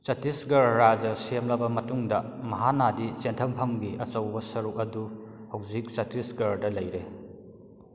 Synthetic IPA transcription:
sɐtisɡɐɾːad͡ʒɐsemlɐbɐmɐtuŋdɐmɐɦanadit͡ʃentʰɐmpʰɐmɡiʔɐt͡ʃɐwbɐsɐɾuk̚ɐduhɐwzik̚sɐtisɡɐɾdɐlɐjɾe

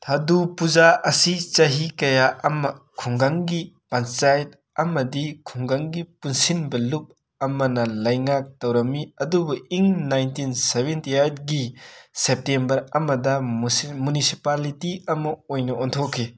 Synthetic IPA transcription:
t̪ʰadupud͡ʒaɐsit͡ʃɐɦikɐjaɐmɐkʰuŋɡaŋɡipant͡ʃajt̚ | ɐmɐdikʰuŋɡaŋɡipunsinbɐlup̚ | ɐmɐnɐlɐjŋak̚tɐwɾɐmiɐdubuʔiŋnajntinsebentiajt̚ɡisep̚tembɐɾɐmɐdɐmunisipalitiɐmɐojnɐɔnt̪ʰokʰːi

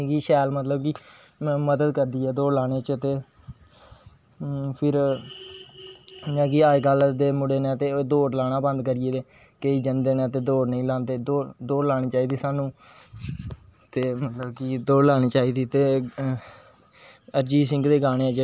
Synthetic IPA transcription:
kiːʃɛːlmət̪ləbkiː | məd̪əd̪kəɾd̪iːɛːd̪oːɾlaːɽ̃eːt͡ʃət̪eː | pʰɪɾ | nãːkiːaːɡəld̪eːmʊɽeːnɛːt̪eːd̪oːʈlaːnaːbə̃nd̪kəɾɪeːd̪eː | kəiːd͡ʒənd̪eːnɛ̃ːt̪eːd̪oːʈnəĩːlaːt̪eːd̪oːd̪oːɾlaːɽ̃iːt͡ʃaːiːd̪iːsaːnũː | t̪eːmət̪ləbkid̪oːɽlaːɽ̃iːt͡ʃaːiːd̪iːt̪eː | əɾd͡ʒiːsɪ̃ŋɡd̪eːɡaːɽ̃eːɛːd͡ʒe

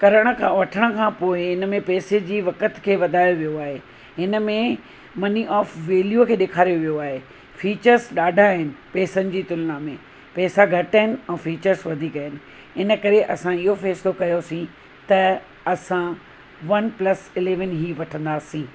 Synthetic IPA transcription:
kɐɾəɽ̃ə̆kʰãːʋɐʈʰəɽ̃ə̆kʰãːpoːɪɪnəmẽpɛːsed͡ʑiːʋɐkət̪kʰeːʋɐd̪ʱaːjoʋijoaːɦe | ɦɪnə̆mẽ | mɐniʔɔːfʋeːljukʰeːɗeːkʰaːɾijoʋijoaːɦe | fiːt͡ɕəɾsɗaːɖʱaɦɪnɪ̆pɛːsənɪ̆d͡ʑiːt̪ʊlnamẽ | pɛːsaɡʱɐʈəɦɪnɪ̆ɛ̃ːfiːt͡ɕəɾsʋɐd̪ʱiːkɐɦɪnɪ̆ | ɪnə̆kɐɾeʔɐsãɪɦofɛːsɪlokɐjosĩ | t̪ɐ | ɐsã | ʋɐnplɐsɪleːʋənɦiːʋɐʈʰə̃nd̪aːsĩː

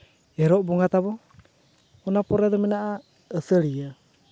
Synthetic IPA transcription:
eɾoboŋat̪aβoː | napoɾedɔmenaʔaː | səɾia

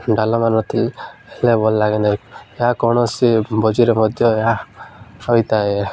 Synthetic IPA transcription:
ɖalɔmanɔt̪ʰilelebɔlːaɡenajeɦakɔɽ̃ɔsibɔd͡ʒiɾemɔd̪ʱjɔea | ɔjt̪ae

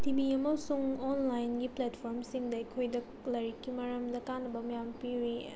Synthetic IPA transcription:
tibiɐmɐsuŋonlajnɡipletpʰoɾmsiŋdɐikʰojdɐ | lɐɾikʰːimɐɾɐmdɐkanːɐbɐmɐjampiɾi

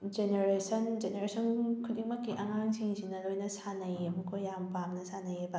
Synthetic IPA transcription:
d͡ʒeneɾesɐnd͡ʒeneɾesɐnkʰudiŋmɐkːiʔɐŋaŋsiŋsinɐlojnɐsanɐjmukʰojːampamnɐsanɐjebɐ

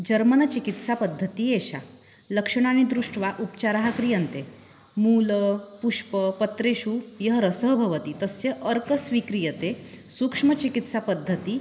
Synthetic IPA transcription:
d͡ʑəɾmənət͡ɕikit̪sapəd̪ʱːət̪ieɕa̰ | ləkʂəɽ̃añid̪ɾuʂʈʋaʔupt͡ɕaɾaɦakɾijənt̪e | muːləpuʂpəpət̪ɾeɕujəɦəɾəsəɦbʱəʋət̪it̪əsjəʔəɾkəsʋikɾijət̪esukʂmət͡ɕikit̪sapəd̪ʱːət̪i

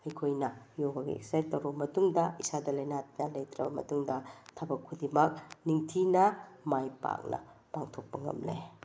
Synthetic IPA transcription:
ɐjkʰojnɐ | joɡɐɡḭḛksajtɐwɾomɐtuŋdɐisadɐlɐjnatnɐlɐjtɾɐbɐmɐ̰tuŋdɐtʰɐbɐkʰːudimɐk̚niŋtʰinɐmajpa̰k̚nɐ̰paŋtʰok̚pɐŋɐ̰mle

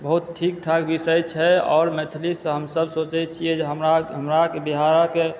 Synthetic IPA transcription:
bəɦut̪̚ʈʰik̚ʈʰakbisəjt͡ʃʰɛɔːɾmɛt̪ʰlisɦəmsəbsot͡ʃɛt͡ʃʰied͡ʒeɦəmɾaɦəmɾakebiɦaɾake

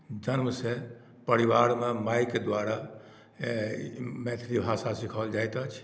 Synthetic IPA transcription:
d͡ʒənməse | pəɾiʋaɾmemajked̪waɾa | met̪ʰɾibʱasasikʰəld͡ʒajt̪ət͡ʃʰ

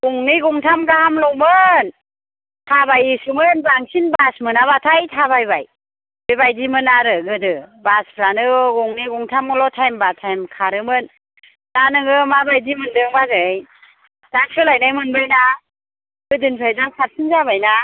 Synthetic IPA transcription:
ɡuŋniɡuŋtʰamɡahamlɔmɯn | tʰabajisɯmɯnbaŋsinbasmɯnaβatʰajtʰaβajbaj | bɯjbajdimɯnaɾɯɡɯdɯbaspʰɾanɯɡɔŋniɡuŋtʰamɡɯlɔtʰajmbatʰajmkʰaɾɯmɯn | danɯŋɯmabajdimɯndɯŋbazɯj | zaŋsʰɯlajnajmɯnbɯjna | ɡɯdɯnpʰajzaŋsʰasʰɯnzabajna

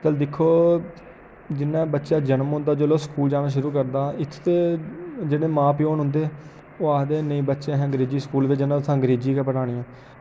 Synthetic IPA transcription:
t̪əld̪ɪkʰːoː | d͡ʒɪnːãːbətːʃaːd͡ʒənəmɦʊ̃nd̪aːd͡ʒoːloːskuːld͡ʒaːnaːʃ̬ʊɾuːk̬əɾd̪aːɪt̪ʰːt̪eːd͡ʒeːɽeːmãːpɪoːnɦʊ̃nd̪eː | oːaːd̪eːnəĩːbətːʃeɦɛ̃ːɡəɾeːd͡ʒiːskuːlʋɪt͡ʃːd͡ʒɪnãːt̪ʊsãːɡəɾeːd͡ʒiːkɛːpəɽaːɽ̃iːãː

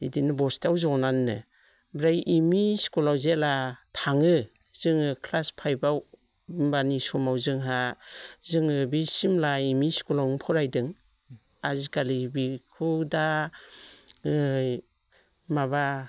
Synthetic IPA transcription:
idinɯbɔstawzɔnannɯ̰ | bɾajʔimiskɔlawzelatʰaŋɯ | z̥ɯŋɯkʰlaspʰajbaw | mbanisɔmawzɯŋɦazɯŋɯbisimlaimiskɔlawnɯpʰɔɾajdɯŋ | azikalibikʰuda | maβa

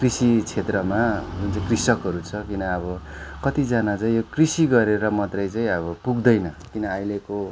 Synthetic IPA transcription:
krisit͡sʰet̪rʌmad͡zunt͡saĩkrisʌkɦʌɾut͡sʰʌkinʌːbʌ | kʌt̪id͡zanat͡saĩjokrisiɡʌɾeɾʌmʌt̪rʌjt͡saĩʌbʌpuɡd̪ʌjnʌkinʌajleko

